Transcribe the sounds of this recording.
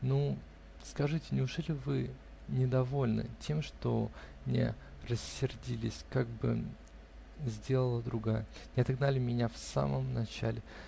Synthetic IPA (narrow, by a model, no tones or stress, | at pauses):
nu | skɐʐɨtʲɪnʲɪʊʐɛlʲɪvɨ | nʲɪd̪ɐvo̞lʲnə̰tʲʰe̞mʂt̪o | nʲḛ | rəsʲːɪrdʲilʲɪsʲkaɡ̚bɨ̰ | zʲdʲe̞lˠəlˠəd̪ɾʊɡajənʲɪɐt̪ɐɡnalʲɪmʲɪnʲafsa̰məmnɐt͡ɕælʲɪ